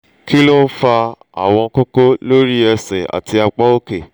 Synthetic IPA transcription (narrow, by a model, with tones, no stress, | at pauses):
ki˦lo˦fa˧ | a̰˨w̃ɔ̃˧ko˦ko˦lo˦ɾi˦ɛ˧sɛ˨a̰˨ti˧a˧k͡pɔ˦o˦ke˦˨